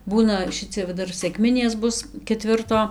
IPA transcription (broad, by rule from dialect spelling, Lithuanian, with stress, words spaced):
ˈbuːnɐ ˈʃʲɪt͡sʲɛ ʋɐ ˈdɐr sʲɛkˈmʲɪnʲeːs ˈbʊs kʲɛˈtʲʋʲɪrtoː